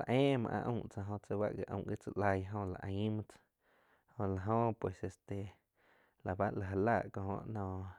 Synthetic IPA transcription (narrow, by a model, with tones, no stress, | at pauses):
la˨ʔẽː˦˧mã̰˧ʔã̰˧ʔũ˧˨t͡sa˧ɦõ˧t͡sa˧ba̰˦ʔɡe˧ʔõ̰˧˨ɡi˦˧t͡sa˧ʔla˧jɦõ˧la̰˨ʔə̃˧˨˦ma˦t͡sḁ | hõ˧la˧ɦõ˧pwe˨se˧st̪e˨ | la˨ba˦ʔla˨ɦa˧la˦˧˨ʔkõ˧ɦõ̰˧ʔnɔ̃˧˨